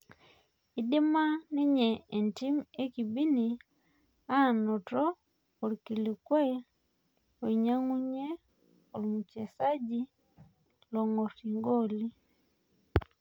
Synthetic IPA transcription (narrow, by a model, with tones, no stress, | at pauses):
i˦di˦ma˦ni˦ɲɛː˨nti˦me˦ki˨bi˦ni˨ | a˦˨nɔ˨tɔ˦ | o˨ɾiki˨li˨kwɛ˦ | o˨iɲa˦ŋu˦ɲɛ˦ | o˨lumu˨t͡ʃɛ˨sa˦ɟi˦ | lɔ˨ŋɔ˨si˨ŋɡo˦li˦